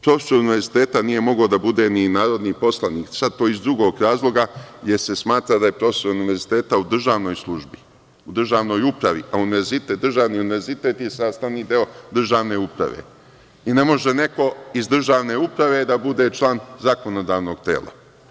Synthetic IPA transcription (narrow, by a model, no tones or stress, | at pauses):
pɾo̞feso̞ɾuniʋe̞ɾzit̪eːt̪anije̞mo̞ɡod̪abud̪e̞ninaːɾo̞d̪niːpo̞slˠaniːksad̪̚t̪ːo̞ːizd̪ɾuɡo̞ɡɾaːzlˠo̞ɡajeɾse̞smaːt̪ɾad̪aje̞pɾo̞feso̞ɾuniʋe̞ɾzit̪eːt̪aud̪r̩ʒaːʋno̞ːjslˠuʒbi | ud̪r̩ʒaːʋno̞ːjupɾaʋḭʔauniʋe̞ɾzit̪eːt̪d̪rʒaʋniːuniʋeɾzit̪e̞ːt̪jesaːst̪aʋniːd̪e̞od̪r̩ʒaːʋne̞ːupɾa̰ʋḛ | ine̞mo̞ʒene̞ko̞izd̪r̩ʒaːʋne̞upɾaʋe̞d̪abud̪e̞t͡ʃlˠaːnzako̞no̞d̪aːʋno̞ɡ̚t̪ḛːlˠa̰